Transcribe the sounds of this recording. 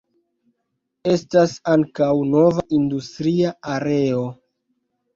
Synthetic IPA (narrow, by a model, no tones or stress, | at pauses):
e̞stasaŋkawno̞vaʔindustɾiaaɾe̞o̞